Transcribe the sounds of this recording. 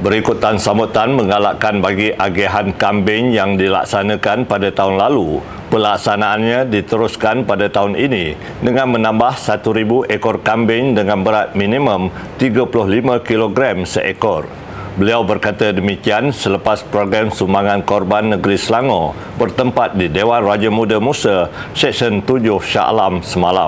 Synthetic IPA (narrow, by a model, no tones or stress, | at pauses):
bəɾikut̪ːansamut̪anmə̃ŋalaʔkanbaɡiʔaɡiaɦankambɪŋjaŋdila̰k̚sanãkanpadat̪aɦʊnlalu | pəlak̚sanaːnɲãdit̪əɾʊskanpadat̪aɦʊnʔinĩ | dəŋãnmə̃nãmbahsat̪uɾibuʔekɔrkambɪŋdəŋãnbəɾat̪̚mĩnĩmə̃m | t̪iɡapulʊhlimãkiloɡɾamsəʔekɔr | bəliawbərkat̪adəmikiansələpaspɾoɡɾamsumaŋankɔrbanːəɡəɾisəlaŋɔ̃ | bərt̪əmpat̪̚didewanrad͡ʒamudəmusə | sɛksənt̪ud͡ʒʊhʃa̰ʔlamsəmala̰m